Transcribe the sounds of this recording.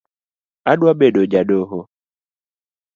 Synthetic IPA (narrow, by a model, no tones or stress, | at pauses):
adwabedod͡ʒaɖoɦo